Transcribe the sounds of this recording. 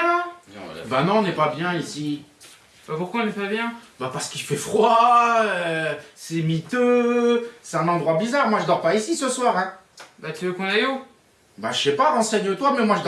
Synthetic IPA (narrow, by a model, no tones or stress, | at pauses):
ãbanɔ̃ɔ̃nɛpabjɛ̃isi | bapuʁkwaɔ̃nɛpabjɛ̃bapaʁsə̥kifɛfχwa | sɛmit̪ø | sɛ̥t̪ɛ̃nɑ̃d̪ʁwabizaʁmwaʒəd̪ɔʁpaisisəswaːʁɛ̃ | bat̪yvøkɔ̃nao | baʃɛpaʁɑ̃sɛɲət̪wamɛmwaʒəd̪